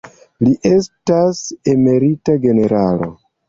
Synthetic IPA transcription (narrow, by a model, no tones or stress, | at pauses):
liʔe̞stase̞me̞ɾitaɡe̞ne̞ɾalo̞̰